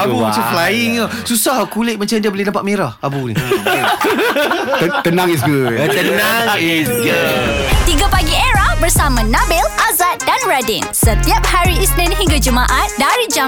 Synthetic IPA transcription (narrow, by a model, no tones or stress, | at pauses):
abumat͡ʃaflajiŋa | susahkulɪʔ̚mat͡ʃamdiabolehdnapaʔ̪̚meɾahabunḭ | t̪ənãŋis̬ɡud̚ət̪ənaŋisɡut̪iɡapaɡieɾahbərsamãnãbɪlʔazat̪̚danɹadinsət̪iap̚haɾiisnɛ̃nɦĩŋɡad͡ʒumaʔat̪̚daɾid͡ʒa